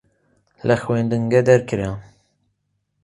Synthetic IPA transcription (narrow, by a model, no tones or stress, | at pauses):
lɛxwend̪ɨŋɡɛd̪ɛɾkʰɨɾɛ